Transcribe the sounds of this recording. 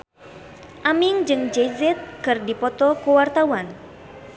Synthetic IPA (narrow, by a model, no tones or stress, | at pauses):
ʔamiŋd͡ʒɨŋd͡ʒɛzɛt̪̚kɨrdipɔt̪ɔkuwart̪awan